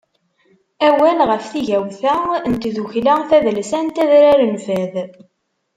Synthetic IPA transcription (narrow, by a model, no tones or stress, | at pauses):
æwælʁəfθiʝæwθæənt̪ðuçlæθæðlsænt̪æðɾaɾənfæð